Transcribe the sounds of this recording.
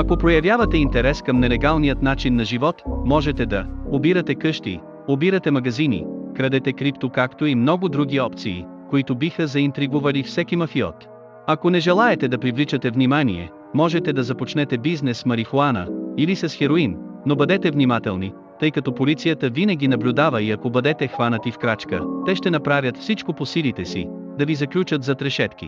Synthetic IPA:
ɐkopɾojɐvʲjavɐt̪ɛint̪ɛɾɛskɐmnɛlɛɡalˠnijət̪nat͡ʃinːɐʒivɔt̪mɔʒɛt̪ɛd̪ɐobiɾɐt̪ɛkɤʃt̪ḭ | obiɾɐt̪ɛmɐɡɐzinḭkɾɐd̪ɛt̪ɛkɾipt̪okakt̪oimnɔɡʊd̪ɾuɡʲiɔpt̪sḭː | koit̪obixəzɐint̪ɾiɡuvɐlifsɛkimɐfiɔ̰t̪ | ɐkonɛʒɛlˠaɛt̪ɛd̪ɐpɾivlit͡ʃɐt̪ɛvnimanḭɛ̰ | mɔʒɛt̪ɛd̪ɐzɐpot͡ʃnɛt̪ɛbiznɛsmɐɾifoanə̰ilisɐsxɛɾoinːobɐd̪ɛt̪ɛvnimat̪ɛlˠni | t̪ɤjkɐt̪ɔpolit̪sijət̪əvinɐɡʲinɐblʲʊd̪avəiɐkobəd̪ɛt̪ɛxvanət̪ifkɾat͡ʃkə̰t̪ɛʃt̪ɛnɐpɾavʲjət̪fsit͡ʃkoposilit̪ɛsḭ | d̪ɐvizɐklʲut͡ʃət̪zɐt̪ɾɛʃɛt̪k̟ḭ

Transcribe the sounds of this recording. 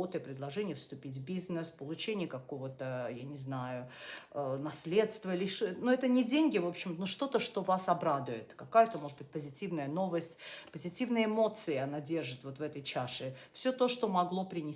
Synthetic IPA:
ot̪ɨjəpɾʲɪd̪lˠɐʐɛnʲɪjəfst̪ʊpʲitʲvʲbʲiznɨspəlˠʊt͡ɕenʲɪjəkɐko̞vət̪əjanʲɪznajʊənɐsʲlʲe̞t̪st̪vəlʲɪnuɛt̪ənʲɪdʲenʲɡʲɪvo̞pɕːɪmnoʂt̪o̞t̪əʂt̪o̞vasɐbɾad̪ʊjɪt̪kɐkajət̪əmo̞ʐɨd̪bɨtʲpəzʲɪtʲivnəjəno̞vəsʲtʲpəzʲɪtʲivnəjəɪmo̞t̪sɨɪɐnadʲe̞rʐɨt̪vo̞t̪vɛt̪əjt͡ɕaʂɨfsʲɵt̪o̞ʂt̪o̞mɐɡlˠo̞pɾʲɪnʲɪ

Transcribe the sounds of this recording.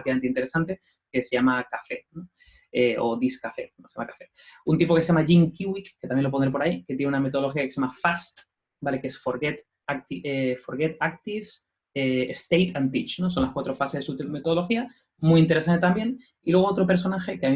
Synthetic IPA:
t̪ikamenint̪eɾe̞sant̪e̞ | kese̞ʝamakafe̞no | eo̞̰ðiskafe̞̰osjamakafe̞unt̪ipo̞keseʝamaʝiŋkiwikːet̪amjelood̪ɾep̬oaike̞t̪jneuname̞t̪o̞oloxiakeseamafast̪ | bale̞keesfo̞ɾɣet̪ | akt̪iefo̞ɾɣe̞t̪akt̪ifs | eest̪ejt̪ant̪it͡ʃno̞s̬o̞nlaskwat̪ɾo̞fasezðesumet̪oðolo̞xia | mujint̪eɾesant̪et̪ambje̞n | ilwe̞ɣoo̞t̪ɾo̞pe̞ɾs̬o̞naxe̞keai

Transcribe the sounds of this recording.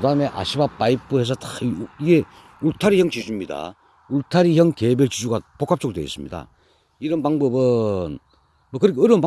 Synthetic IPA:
ɯdaɯme̞ʔa̰ɕʰibap͈aipʰɯɦe̞s̬ʰʌtaiɡe̞ | uɭtʰaɾijʌŋt͡ɕid͡ʑumɲida̰ | uɭtʰaɾiçjʌŋkebjeɭt͡ɕid͡ʑuɡapok͈ʰap̚t͡ɕ͈oɡɭdweḭs͈ɯmɲida̰ | iɾʌnpaŋbʌbɯn | mʌkɯɾikʰɯɾɯnp

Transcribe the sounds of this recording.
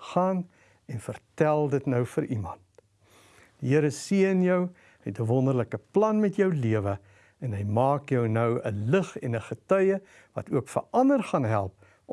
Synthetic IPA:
χɑːn | ɛnfərtælˠdətnəwfəɾʔimɐnt | d̥əɦiəɾəsiəənjœw | hɛtəvɔndərləkəplɐnmɛtjœwliəvə | ɛnɦəjmɑːkjœwnəwə̰ləχɛ̰nəχətœjə | vɐ̰tuəkfə̰rɐndərχɐnɦælˠp̚

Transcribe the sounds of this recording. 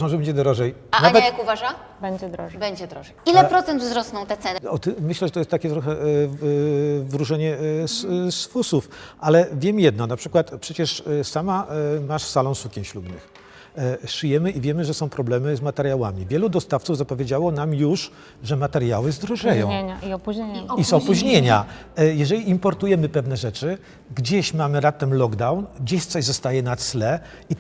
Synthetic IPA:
ãw̃ʐɛbɛɲd͡ʑɛd̪ɾɔʐɛjanaɲvɛjakuvaʐa | bɛɲd͡ʑɛd̪ɾɔbɛɲd͡ʑɛd̪ɾɔɛilɛpɾɔt̪ɛnd̪vzɾɔsnɔ̃w̃t̪ɛt̪sɛnɔt̪mɘɕlɛʐɛt̪ɔjɛst̪ːakʲɛt̪ɾɔxɛ | vɾuʐɛɲɛssfusufʔalɛvʲjɛmjɛd̪nɔnapʂɘkwat̪pʂɛt͡ɕɛʂsamamaʂsalɔ̃w̃sukʲɛnɕlubnɘ̰x | ʂɘjɛmɘʔivʲjɛmɘʐɛsɔ̃w̃pɾɔblɛmɘzmat̪ɛɾjawamʲivʲjɛlud̪ɔst̪aft̪suvzapɔvʲjed͡ʑawɔnamjuʂ | ʐɛmat̪ɛɾjawɘzd̪ɾɔʐɛjɔ̰̃wɔpuisɔppuʑɲeɲa | jɛʐɛlʲiːmpɔɾt̪ujɛmɘpɛvnɛʐɛt͡ʂɘ | ɡd͡ʑeɕmamɘnat̪ːɛmlɔɡd̪awnɡd͡ʑeɕt̪sɔʑzɔst̪ajɛnat̪slɛi

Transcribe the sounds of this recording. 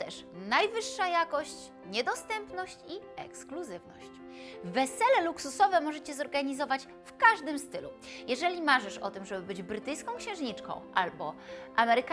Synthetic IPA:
t̪ɛʂnajvɘʂːajakɔɕt͡ɕ | ɲɛd̪ɔst̪ɛmpnɔɕt͡ɕiɛ̰kskluzɘvnɔ̰ɕt͡ɕ | vːɛsɛlɛluksusɔvɛmɔʐɛt͡ɕɛzɔɾɡaɲizɔvat͡ɕ | fkaʐd̪ɘmst̪ɘlṵjɛʐɛlʲimaʐɛʂɔ̰t̪ɘmʐɛbɘbɘd͡ʑbɾɘt̪ɘjskɔ̃w̃kɕɛ̃w̃ʐɲit͡ʂkɔ̰̃w̃ʔalbɔʔamɛɾɘk

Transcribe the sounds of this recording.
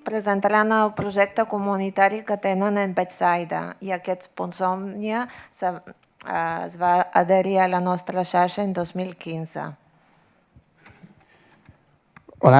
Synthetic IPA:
pɾəzənt̪aɾanəlˠpɾuʒɛk̚t̪əkumunit̪aɾikət̪enənəmbɛt̪sajd̪ə̰iəkɛspunsɔmnjəs | zβaːðəɾiələnɔst̪ɾəʃaɾʃəend̪ozmilˠkinzə̰ | o

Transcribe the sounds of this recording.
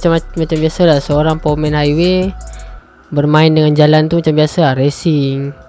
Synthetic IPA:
t͡ʃammat͡ʃambiasalasəoɾaŋpomɛnɦaiwe | bərmaɪndəŋand͡ʒalant̪umat͡ʃambiasaaɾesiŋ

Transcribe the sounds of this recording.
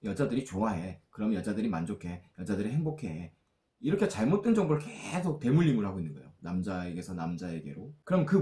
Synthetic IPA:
jʌd͡ʑadɯɾit͡ɕoaɦe̞kɯɾʌmjʌd͡ʑadɯɾimand͡ʑokʰe̞jʌd͡ʑadɯɾiɦe̞ŋbokʰe̞ | iɾʌkʰet͡ɕaɭmot͈̚end͡ʑʌŋboɾɯɭkesʰok̚t͈e̞muʎːimɯɭɦaɡoinːɯnɡʌḛjonamd͡ʑaeɡe̞sʰʌnamd͡ʑaeɡe̞̰ɾokɯɾʌmkɯ

